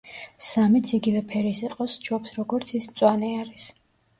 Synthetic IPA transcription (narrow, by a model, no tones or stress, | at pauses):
samit̪sʰiɡivɛpʰɛɾisiqʼɔst͡ʃʰɔpsɾɔɡɔɾt̪sʰismt̪sʼwanɛaɾis